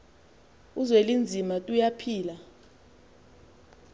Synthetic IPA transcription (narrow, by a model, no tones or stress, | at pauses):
uzwelind͡zʱimatʼujapʰiːla